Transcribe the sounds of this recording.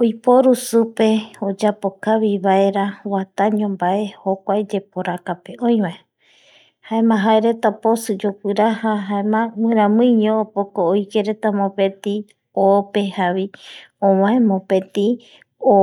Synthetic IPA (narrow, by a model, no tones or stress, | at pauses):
ojpoɾusupe̞od͡ʒapo̞kaβiβae̞ɾawat̪aɲõmbae̞hokʷajd͡ʒe̞poɾakapeʔõj̃βae | haemãɦaeɾe̞t̪aposɨd͡ʒokʷɨɾahaɦaemãŋʷɨ̃ɾãmɨ̃ɲõːpokooike̞ɾe̞t̪amõpẽ̞t̪i | ope̞haβiõmãẽmõpẽ̞t̪i | o